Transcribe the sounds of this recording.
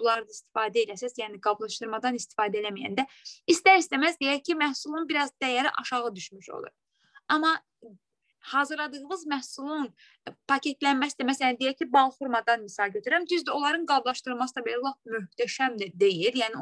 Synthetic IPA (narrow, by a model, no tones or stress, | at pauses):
b̥ulˠɑɾɯd̪aist̪i̥fɑːd̪æelæsæzjæːniɡɑblˠɑʃt̪ɯɾmɑd̪ɑnist̪i̥fɑːd̪æelæmijæ̰nd̪æist̪æɾisd̪æmæzd̪ejæɾcʰimæhsulˠunbiɾɑzd̪æjæɾiʔɑʃɑʁɯd̪yʃmyʃo̰lˠṵɾ | ɑmɑ | hɑːzɯɾlˠɑd̪ɯɣmɯzmæhsulˠun | pʰɑcʰe̞t̪ʰlænmæsd̪æmæsæænd̪ejæɾcʰibɑlˠfuɾmɑd̪ɑnmisɑlˠɟøt̪ʰyɾæmd̪yzd̪æo̞lˠɑɾɯnɡɑblˠɑʃt̪ɯɾlˠmɑsɯd̪ɑbe̞lælˠɑχmyht̪ʰæʃæmd̪æd̪e̞jiljæːni